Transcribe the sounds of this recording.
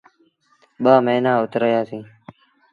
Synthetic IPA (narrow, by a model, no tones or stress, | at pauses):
ɓaːməɦnãːʊt̪ɾəjaːsĩː